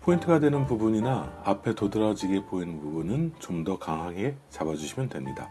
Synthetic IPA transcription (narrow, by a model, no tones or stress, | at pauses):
pʰointʰɯɡadwe̞nɯnpubuɲinaapʰe̞todɯɾʌd͡ʑiɡepoinɯnpubunɯnt͡ɕomdʌkaŋɦaŋe̞t͡ɕabad͡ʑuɕʰimjʌndwe̞mɲida̰